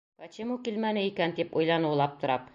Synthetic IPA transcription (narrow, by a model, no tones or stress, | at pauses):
pɑt͡ɕɘmukilmænɘikænt̪ipṵjlˠɑnɤ̆wlˠɑp̚t̪ŏɾɑp